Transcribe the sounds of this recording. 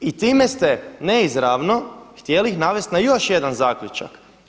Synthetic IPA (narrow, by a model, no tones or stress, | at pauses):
it̪iːmest̪e̞neizɾaʋno̞xt̪jeliixnaʋe̞st̪najo̞ʃje̞d̪anzaːkʎut͡ʃa̰k